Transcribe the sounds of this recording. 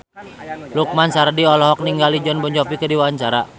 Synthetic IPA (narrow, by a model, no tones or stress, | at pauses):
luk̚mansardiɔlɔɦɔk̚niŋɡalid͡ʒɔnbɔɲd͡ʒɔpikədiwaaɲt͡ʃaɾa